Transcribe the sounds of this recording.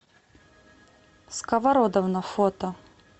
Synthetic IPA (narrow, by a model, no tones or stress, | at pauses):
skɐvɐɾɔd̪ɔvnɐfɔt̪ɐ